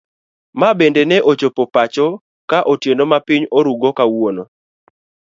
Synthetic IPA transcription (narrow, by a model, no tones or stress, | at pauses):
mabendenɛʔot͡ʃopopat͡ʃɔ | kaʔotjenomapɪɲoɾuɡokawono